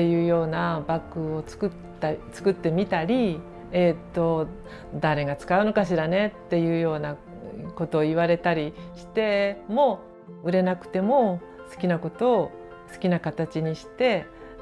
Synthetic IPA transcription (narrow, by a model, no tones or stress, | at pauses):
ejɯ̟ːjo̞ːnabakːɯ̟o̞t͡sɨ̥kɯtː | at͡sɨ̥kɯ̟t̪ːe̞mʲit̪aɾʲi | et̪ːo̞ | d̪aɾe̞ɡat͡sɨ̥kaɯ̟no̞kaɕ̬iɾane̞t̪ːe̞jɯ̟ːjo̞ːna | ko̞t̪o̞ːiβaɾe̞t̪aɾʲiɕi̥t̪e̞mo̞ | ɯ̟ɾe̞nakɯ̟̥t̪e̞mo̞ | sɨ̥kʲinako̞t̪o̞ː | sɨ̥kʲinakat̪at͡ɕiɲ̟iɕi̥t̪e̞